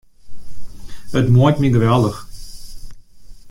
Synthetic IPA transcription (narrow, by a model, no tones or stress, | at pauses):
ətmuəjtmiɡəʋɛlˠdəx